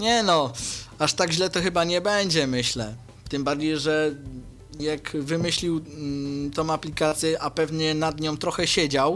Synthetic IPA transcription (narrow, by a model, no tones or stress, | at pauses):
ɲɛnɔaʂt̪aɡʑlɛt̪ɔxɘbaɲɛbɛɲd͡ʑɛmɘɕlɛ | t̪ɘmbaɾd͡ʑejʐɛ | jakvɘmɘɕlʲiw | t̪ɔ̃m̃aplʲikat̪sʲjɛʔapɛvɲɛnad̪ɲɔ̃w̃t̪ɾɔxɛɕɛd͡ʑaw